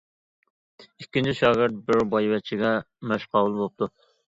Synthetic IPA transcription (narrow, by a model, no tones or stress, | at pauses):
ikʲːint͡ʃʰiʃɑːɡɪɾt̪̚bɪɾbɑjvɛt͡ʃʰiɡʲɛ | mæʃqʰɑːwulˠbop̚t̪ʰu